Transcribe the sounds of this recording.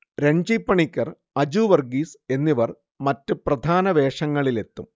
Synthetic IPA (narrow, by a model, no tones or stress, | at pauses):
ɾeɲd͡ʑipːɐɳikʲːɐr | ɐd͡ʑuːʋɐrɡiːse̞nːiʋɐr | mɐtːɨprɐd̪ʱaːnɐʋe̞ːʂɐŋːɐɭile̞t̪ːum